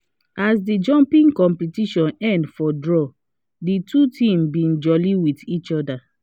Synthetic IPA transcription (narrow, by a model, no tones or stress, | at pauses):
ʔasdid͡ʒɔ̃mpĩŋkɔ̃mpitiʃɔ̃nɛ̃ndfɔdɹɔ | ditʰutʰĩmbĩnd͡ʒɔliwitit͡ʃɔda